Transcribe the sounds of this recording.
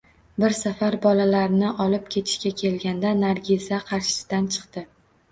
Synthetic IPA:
bɪɾsafaɾbɒlalaɾɪnɪʔɒlɪp̚kʲʰe̞t̪ʰɪ̥ʃkʲakʲʰe̞lɡʲand̪anaɾɡʲɪzaqʰɑɾʃɪ̥sɪ̥d̪ant͡ʃʰɨ̥qt̪ɪ

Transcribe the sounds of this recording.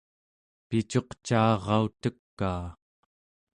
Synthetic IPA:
pit͡ʃo̞qt͡ʃaːʁɑut̪əkːaː

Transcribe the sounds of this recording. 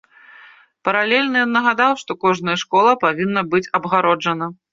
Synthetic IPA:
pɐɾalʲɛlʲnɐjɔnːɐɣad̪awʂt̪ɔkɔʐnɐjɐʂkɔlˠɐpavʲinːɐbɨt͡sʲɐbɣaɾɔd͡ʐɐnɐ

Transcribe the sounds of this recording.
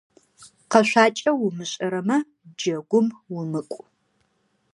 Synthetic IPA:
qɐʃʷaːt͡ʃʼɐwʊmɨɕʼɐɾɐmɐ | d͡ʒɐɡʷʊmwʊmɨkʷʼ

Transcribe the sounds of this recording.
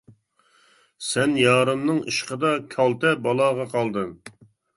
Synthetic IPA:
sɛnjɑːɾɨmnɨŋiʃqəd̪ɑkʲʰɑlˠt̪ɛbɑlˠɑːʁɑqʰɑlˠd̪ɨm

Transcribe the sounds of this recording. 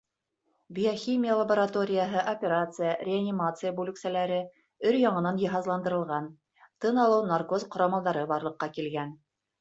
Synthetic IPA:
bʲijoxʲimʲɪjəlˠɐboɾat̪o̞ɾʲɪjəɦɤʔopʲeɾat̪sɨjərʲɪanʲːimat̪sɨjəbʉlɘ̆ksælæɾɘ | ɵɾjɑɴɤ̆nɑnjɤ̆ɦɑzlˠɑnd̪ɤ̆ɾɤ̆lˠʁɑn | t̪ɤnɑlˠɤwnarkozqŏɾɑmɑlˠd̪ɑɾɤbɑɾlˠɤ̆qːɑkilɡæn

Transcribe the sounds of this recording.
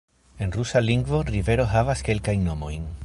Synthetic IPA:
e̞nrusaliŋɡvo̞rive̞ɾo̞ɦavaske̞lkajnːo̞mo̞̰jn

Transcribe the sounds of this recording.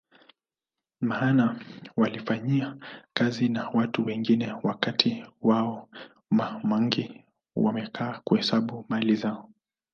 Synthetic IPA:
maːnawalifaɲiakazinawatuwɛŋɡinɛwakatʰiwaɔ | mamaŋɡi | wa̰mɛkʰaːkuhɛsaɓumalizaɔ

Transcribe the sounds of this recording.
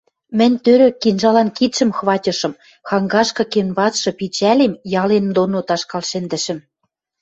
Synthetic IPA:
mɘ̆nʲt̪øɾø̆kinʒɑlɑnkit̪ʃɘ̆mxβɑtʲɤ̆ʃɤ̆m | xɑŋɡɑʃkɤ̆kenβɑt͡s̪ʃɤ̆pit͡ɕælemjɑlend̪onot̪ɑʃkɑlʃɘnd̪ɘ̆ʃɘ̆m

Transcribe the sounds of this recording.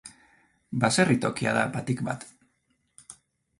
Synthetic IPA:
baserit̪o̞kia̰ðabat̪ikba̰t̪

